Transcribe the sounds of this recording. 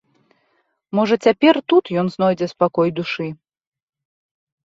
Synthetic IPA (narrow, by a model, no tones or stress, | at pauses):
mɔʐɐt͡sʲapʲɛrt̪ut̪jɔnznɔjd͡zʲɛspakɔjd̪uʂɨ